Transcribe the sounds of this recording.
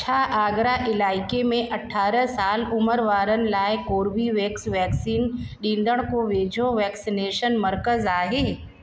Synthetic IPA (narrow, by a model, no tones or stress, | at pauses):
t͡ʃʰaːʔaːɡɾaʔɪlaːɪkemẽʔɐʈʰaːɾəsaːlʊməɾʋaːɾənɪ̆laːɪkoːɾʋiʋeːksʋɛːksiːnɗĩːnd̪əɽ̃koʋeːd͡ʑʱõʋɛːksineːʃənmɐɾkəzaːɦeː